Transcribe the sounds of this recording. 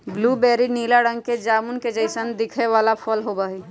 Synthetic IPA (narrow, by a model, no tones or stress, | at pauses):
blubɛɾinilaɽə̃ŋɡ̚ked͡ʒaːmunked͡ʒəɪsənd̪ɪkʰeʋaːlapʰəlɦobaːɦi